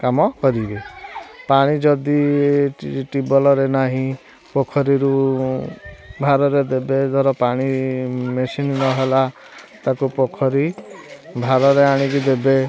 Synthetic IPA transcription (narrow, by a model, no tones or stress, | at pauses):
kamɔkɔɾibepaɽ̃id͡ʒɔd̪i | ʈibɔlɔɾenaɦĩ | pokʰɔɾiɾu | bʱaɾɔɾed̪ebed̪ʱɔɾɔpaɽ̃imesinnɔɦela | t̪akupokʰɔɾi | bʱaɾɔɾeaɽ̃ikud̪ebe